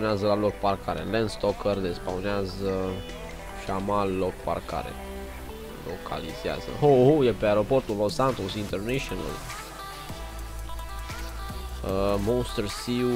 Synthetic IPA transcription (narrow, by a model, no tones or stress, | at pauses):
neazəlalok̚parkʰaɾḛlenst̪okərd̪espawneazə | ʃiamalːok̚pa̰rka̰ɾḛ | lo̰kʰa̰liz̥ea̰zə̰hohojepeaeɾo̞po̞rt̪ulosant̪osint̪erneʃona̰l | monst̪ersi